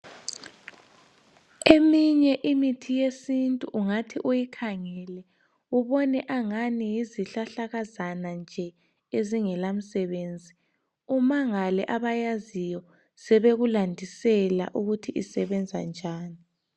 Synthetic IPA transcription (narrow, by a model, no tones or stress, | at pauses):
emiɲɛʔimitʰijesintʼuʔuŋatʰiʔujikʰaŋɛlɛ | uβɔnɛʔaŋanijiziɬaɬaɣazanand͡ʒʱɛ | eziŋɛlam̩sɛβeːnd͡zʱi | umaŋalɛʔaβajazijɔ | sɛβeɣulandʱisɛla̰ʔuɣutʰiʔisɛβɛnd͡zʱand͡ʒʱaːni